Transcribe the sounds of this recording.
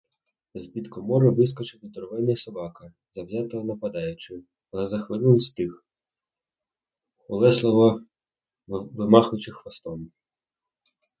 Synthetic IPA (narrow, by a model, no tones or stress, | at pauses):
zbʲit̪kɔmɔɾʊʋɪs̬kɔt͡ʃɪwzd̪ɔɾɔʋɪnɪjsɔbɑkɐ | zɐwzʲɑt̪ɔɦɔnɐpɐd̪ɑjʊt͡ʃɪ | ɐlˠɛzɐxʋɪnɪlst̪ɪx | ʊlˠɛslˠɔɦɔ | ʋɪmɑxʊt͡ʃɪxʋɐst̪ɔm